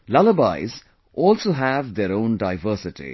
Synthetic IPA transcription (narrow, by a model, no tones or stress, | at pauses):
laləba̰ɪz | ʔɔːlsoːɦævd̪eɾõːnɖaɪvəːsɪʈḭ